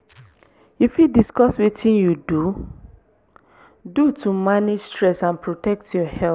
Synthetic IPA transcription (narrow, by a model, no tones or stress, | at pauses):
ifidiskɔswetʰĩnjudu | dutumaned͡ʒstɹɛsãnpʰɹotɛk̚tʰjɔhɛl